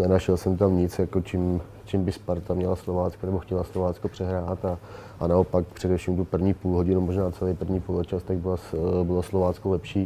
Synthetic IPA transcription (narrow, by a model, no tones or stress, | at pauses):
nɛnaʃɛlsɛmt̪amɲɪt͡sjakot͡ʃɪm | t͡ʃɪmbɪspaɾt̪amɲɛlaslovaːt͡skanɛboxcɛlaslovaːt͡skopr̝̥ɛɦɾaːt̪a | ʔanaopak̚pr̝̥ɛdɛfʃiːmt̪upr̩vɲiːpuːlɦoɟɪnumoʒnaːt͡sɛlejpr̩vɲiːpulot͡ʃast̪aɡ̚bɪlasbɪloslovaːt͡skolɛpʃiː